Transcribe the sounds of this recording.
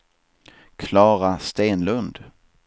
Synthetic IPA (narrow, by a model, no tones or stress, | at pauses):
kʰlɑːɾast̪eːnlɵnd̪